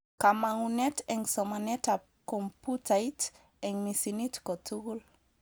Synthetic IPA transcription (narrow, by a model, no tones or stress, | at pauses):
kamaŋunɛtɛ̃ŋsɔmanɛta | kɔ̃mputʰajt | ɛ̃ŋmisinitkɔtuɡul